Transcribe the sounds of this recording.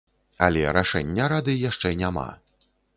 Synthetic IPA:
ɐ̰lʲɛɾaʂɛnʲːɐɾad̪ɨjaʂt͡ʂɛnʲama̰

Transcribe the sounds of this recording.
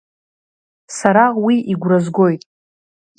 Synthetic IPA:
saɾawiiɡʷrazɡo̞jtʼ

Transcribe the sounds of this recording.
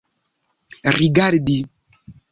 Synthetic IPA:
riɡaɾdi

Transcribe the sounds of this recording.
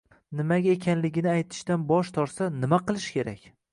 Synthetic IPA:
nɪmaɡʲaekʲʰanlɪɡʲɪnɪajt̪ʰɪ̥ʃt̪anbɒʃt̪ʰɒɾsanɪmaqɨlˠɪʃkʲʰe̞ɾa̰kʲ

